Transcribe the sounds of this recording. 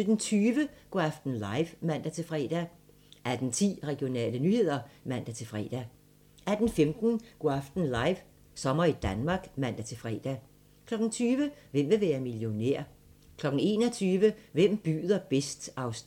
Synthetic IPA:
ed̥en̩t͡sʰyːʋəɡ̥oæfd̥n̩lɑ̈ɪʋmæn̰d̥æt͡sʰe̝lfʁɛ̰ːd̥æ | ʔæd̥n̩t͡sʰḭːʁɛɡ̥jo̝nɛ̰ːlənyːhe̝ð̰ˠɐmæn̰d̥æt͡sʰe̝lfʁɛ̰ːd̥æ | æd̥n̩femd̥n̩ɡ̥oæfd̥n̩lɑ̈ɪʋ | sɒ̽mɐid̥ænmɑ̈ɡ̥mæn̰d̥æt͡sʰe̝lfʁɛ̰ːd̥æ | kʰlɒ̽ɡ̥n̩t͡sʰyːʋəʋem̰ʋe̝ʋæːɐmiljo̝neɐ̰ | kʰlɒ̽ɡ̥n̩e̝ːnɒ̽t͡sʰyːʋəʋem̰b̥y̰ːð̞ˠɐb̥esd̥ɑ̈ʊs

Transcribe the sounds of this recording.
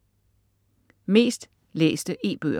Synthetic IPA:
me̝̰ːsd̥ | lḛːsd̥əʔe̝̰ːb̥ø̰ː

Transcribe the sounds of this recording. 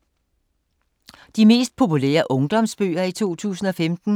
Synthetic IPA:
d̥ime̝̰ːsd̥̚pʰo̝pulɛ̰ːɐʔɔ̽ŋd̥ɒ̽msb̥ø̰ːɐit͡sʰo̝̰ːt͡sʰṵːsn̩ɒ̽femd̥n̩

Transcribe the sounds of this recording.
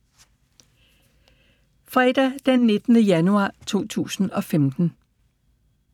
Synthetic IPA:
fʁɛd̥æd̥enːe̝d̥nəjænuɑ̈ːt͡sʰo̝̰ːt͡sʰṵːsn̩ɒ̽femd̥n̩

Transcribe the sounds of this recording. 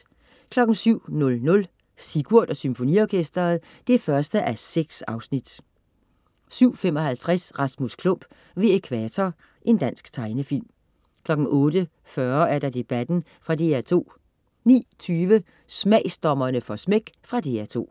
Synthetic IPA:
kʰlɒ̽ɡ̥n̩syʊ̰nɔ̽lnɔ̽l | siɡ̥uɐ̰d̥ɒ̽symfo̝nḭɒːkʰesd̥ɐːð̩ˠ | d̥eæɐfɶɐsd̥əʔæseɡ̥sɑ̈ʊsnid̥ | syʊ̰femɒ̽ɦælt͡sʰʁasʁɑ̈smuskʰlɔm̰b̥ | ʋe̝ekʰʋæt͡sʰɒ | ʔe̝nd̥æn̰sɡ̥t͡sʰɑ̈ɪnəfil̰m | kʰlɒ̽ɡ̥n̩ʔɔ̽ːd̥ə | fɶɐæɐɾ̥ɑ̈d̥e̝b̥æd̥n̩ | fʁɑ̈d̥e̝æɐt͡sʰo̝̰ː | nḭːt͡sʰyːʋə | smɛɪ̰sd̥ɒmɐnəfɒ̽smeɡ̥fʁɑ̈d̥e̝æɐt͡sʰo̝̰ː

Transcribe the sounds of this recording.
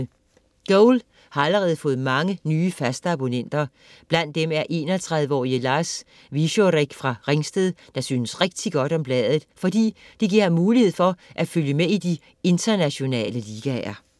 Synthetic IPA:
ɡ̥oʊl | hɑ̈æləʁɛːð̞̩ˠfɔ̽ːð̩ˠmɑ̈ŋənyːfæsd̥ɑ̈b̥o̝nen̰d̥ɐ | b̥læn̰d̥ːemæɐʔe̝̰ːnɒt͡sʰʁaðˠʋəɒ̰ːiəlɑ̈ːs | ʋiɕoʁeɡ̥fʁɑ̈ʁeŋsd̥eðˠ | d̥ɑ̈syːnəsʁeɡ̥̚d̥iɡ̥ɒ̽ɾ̥ɒ̽mb̥lɛːð̞ˠð̩ˠfɒ̽d̥ḭː | d̥eɡ̥iɐ̰hænmuːlihe̝ð̰ˠfɒ̽ʔæ̥føljəmeid̥i | e̝nd̥ʰɐnæɕo̝nɛ̰ːləliɡ̥æɐ

